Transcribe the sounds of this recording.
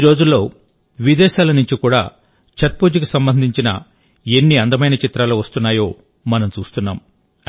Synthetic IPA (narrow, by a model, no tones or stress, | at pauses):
iɾo̞ːd͡ʒulːo̞ː | ʋid̪ɛːʃaːlɐnuɲt͡ʃikuːɽa̰ː | t͡ʃʰɐɾ̚pud͡ʒikusɐmbɐnd̪ʱiɲt͡ʃinɐ̰ | enːiɐnd̪ɐmɐjnɐt͡ʃit̪ɾaːluːʋɐst̪unːaːjo̞ː | mɐnɐmt͡ʃuːst̪unːaːm